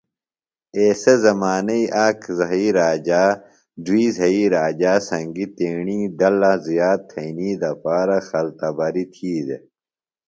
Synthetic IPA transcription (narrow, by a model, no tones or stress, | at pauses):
eːsezɐmaːnɐiʔaːkzɐɦiːɾaːd͡ʑaː | ɖwiːzɐiːɾaːd͡ʑaːsɐ̃ŋɡit̪eːɳiːd̪ɐlɐzijaːt̪ʰːɐiniːd̪ɐpaːɾɐxɐlt̪ɐbɐɾit̪ʰiːd̪e